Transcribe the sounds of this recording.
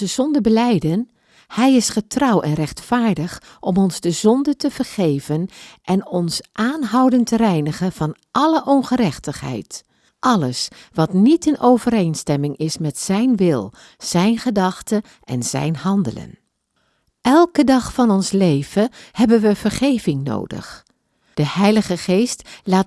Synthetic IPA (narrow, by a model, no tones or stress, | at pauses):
əzɔndəbəlɛjdən | hɛjɪsχətrʌwɛnrɛχtfaːɹdəχ | ʔɔmɔnzdəzɔndətəv̥əɹχejvənʔɛnɔnsʔaːnɦɑwdəntərɛjnəχəv̥ɑn | ʔɑləʔɔnχəɾɛχtəχɦɛ̰jt | ʔɑləsʋɑtnitɪnʔowvəɾejnstɛmɪŋɪsmɛtsɛjnʋɪlˠ | z̥ɛjnχədɑχtə | ʔɛ̰nz̥ɛ̰jnhɑndə̰lə̰n | ʔɛlˠkədɑχfɑnɔnslejv̥əhɛbənʋəv̥əɹχejvɪŋno̰wdə̰χ | d̥əhɛjləχəχejstlaːt